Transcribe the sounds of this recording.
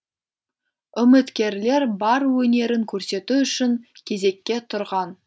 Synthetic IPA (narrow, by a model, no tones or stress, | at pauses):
ʏmɪt̪kʲe̞ɾle̞ɾbɑɾwɵne̞ɾɪŋkʲʰɵɾse̞t̪uʏʃɪŋkʲʰe̞ze̞kʲːe̞t̪ʰʊɾʁɑn